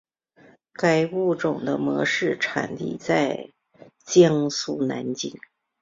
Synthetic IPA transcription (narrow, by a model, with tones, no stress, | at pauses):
ka˨˩ɪu˥˩ʈ͡ʂʊ˨˩ŋd̪ə˦mɤ̰˧˥ʂɻ̩˥˩ʈ͡ʂʰa̰˨˩nt̪ḭ˥˧t͡sa˥˧ɪ | t͡ɕjɑ˥ŋsu˥˩na̰˧˥nt͡ɕi˥ŋ